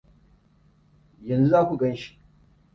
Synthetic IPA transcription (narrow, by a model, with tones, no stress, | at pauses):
jɐ˨nzu˦zaː˦kʷu˨ɡɐ˦nʃi̥˦ʔ